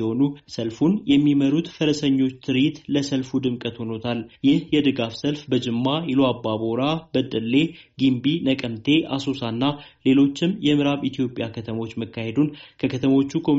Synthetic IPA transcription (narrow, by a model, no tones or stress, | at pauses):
ho̞nusəlfunjɛmːiməɾut̪fəɾəsəɲːo̞t͡ʃːt̪ʰɨɾɪt̪ləsəlfud̪ɨmkʼət̪ho̞no̞t̪ʰaljɪhjɛd̪ɨɡafsəlfbəd͡ʒɪmːajɪloabːaboɾabəd̪əlːe̞ɡimbinəkʼəmt̪ʰe̞ʔasosanːale̞lo̞t͡ʃːɪmjɛmɨɾaβit̪ʰijo̞pʼjakʰət̪ʰəmo̞t͡ʃːməkːahe̞d̪unkʰəkʰət̪ʰəmo̞t͡ʃːukʰo̞m